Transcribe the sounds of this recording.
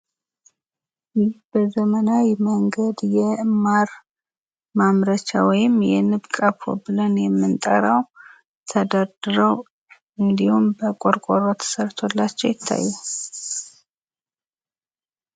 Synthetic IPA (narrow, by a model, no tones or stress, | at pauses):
jɪhb̥əzəmənajməŋɡəd̪jɛmaɾ | mamɾət͡ʃa̰wɔjɪmjɛ̰nɨβkʼapʰo̰bɨlənjɛmːɨnt̪ʼə̰ɾaw | t̪ʰəd̪ad̪ɨɾəw | ʔɨnd̪ihumbəkʼoɾkʼoɾot̪ʰə̥səɾt̪ʰolːat͡ʃːɛwjɪt̪ʰːa̰jːɛ